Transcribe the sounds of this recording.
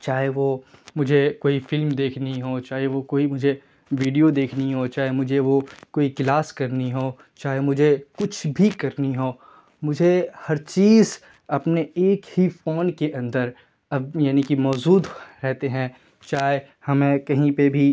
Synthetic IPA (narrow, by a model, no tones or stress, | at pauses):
t͡ʃaːɦeʋomʊd͡ʒʱekoːifɪlmd̪eːkʰniɦoːt͡ʃaːɦeʋokoːimʊd͡ʒʱe | ʋiːɖijod̪eːkʰniɦot͡ʃaːɦemʊd͡ʒʱeʋokoːiklaːskɐɾniɦoː | t͡ʃaːɦemʊd͡ʒʱekʊt͡ʃʰbʱikɐɾniɦoː | mʊd͡ʒʱehɐɾt͡ʃiːz | ɐpneeːkhifoːnkeʔɐ̃nd̪əɾ | ɐbjaːnikimɔːzuːd̪ɾɛɦt̪eɦɛ̃ | t͡ʃaːɦe | hɐmẽkɐɦĩpebʱi